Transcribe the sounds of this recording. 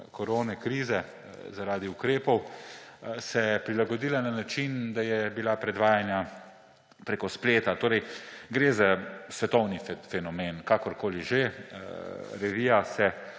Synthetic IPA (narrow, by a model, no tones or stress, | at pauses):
kɔɾoːnɛkɾiːzɛ | zaɾaːd̪iukɾeːpɔw | sɛpɾilaɡɔd̪iːlananat͡ʃind̪ajɛbilapɾɛd̪ʋaːjanja | pɾeːkɔspleːt̪at̪oːɾɛjɡɾeːzasʋɛt̪ɔwnifɛnɔmeːnkakɔɾkoːliʒe | ɾɛʋijasɛ